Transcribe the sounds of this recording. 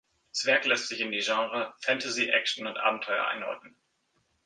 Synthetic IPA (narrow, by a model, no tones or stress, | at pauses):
t͡sv̥ɛɐklɛstz̥ɪçɪndiːʒɑ̃ːʁəfɛntʰəziʔɛk̚t͡ʃn̩ʊntʔa̰ːbm̩tʰɔʏɐ̰ʔa̰ɪnɔ̰ːtn̩